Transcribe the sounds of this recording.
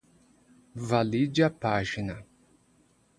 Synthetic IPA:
valid͡ʒɪɐpaʒinɐ

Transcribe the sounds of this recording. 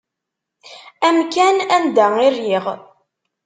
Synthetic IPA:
æmkænænd̪æirjiʁ

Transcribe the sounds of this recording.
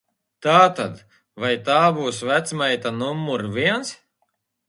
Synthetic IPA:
t̪aːt̪ad̪ | vajt̪aːbuːsvæt̪smajt̪anumːuɾvʲiɛns

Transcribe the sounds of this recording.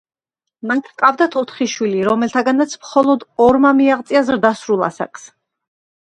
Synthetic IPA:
mank̪ʰqʼavd̪at̪ʰɔt̪ʰχiʃwiliɾɔmɛlt̪ʰaɡanat̪sʰmχɔlˠɔd̪ɔɾmamiaʁt̪sʼiazɾd̪asɾulˠa̰sa̰kʼs

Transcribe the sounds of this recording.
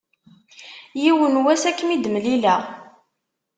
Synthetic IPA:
jiwənwæsækːmid̪mlilæ

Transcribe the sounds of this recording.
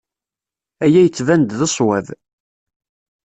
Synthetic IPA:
æjæjət͡sːvænd̪ðəsˤwæð

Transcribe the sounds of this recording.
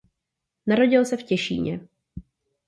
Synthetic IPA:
naɾo̞ɟɪlsɛfcɛʃḭːɲɛ̰

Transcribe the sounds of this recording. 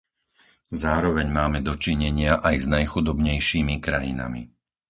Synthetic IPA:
zaːɾɔʋɛɲmaːmɛd̪ɔt͡ʃiɲɛɲɪaʔajznajxud̪ɔbɲɛjʃiːmikɾajḭna̰mḭ

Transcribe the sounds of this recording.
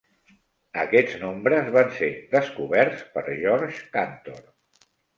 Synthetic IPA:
əkɛd͡znombɾəzβanseðəskuβɛɾspəɾʒɔɾʒkant̪oɾ

